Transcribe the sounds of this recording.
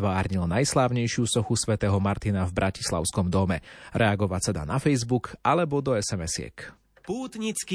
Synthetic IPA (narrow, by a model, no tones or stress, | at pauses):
ʋaːɾɲilnajslaːʊɲɛjʃɪusɔxusʋɛt̪ɛːɦɔmaɾt̪inavbɾʔaci̥sla̰ʊskɔmd̪ɔmɛɾɛaɡɔʋat͡sad̪a̰nafɛjzbukalɛbɔd̪ɔɛsɛmɛsɪɛ̰k | puːt̪ɲit͡ski